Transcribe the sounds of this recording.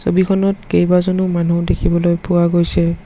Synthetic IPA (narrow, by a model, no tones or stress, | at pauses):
sobikʰɔnɔtkejbazɔnumanudekʰibɔlojpʊwaɡojsɛ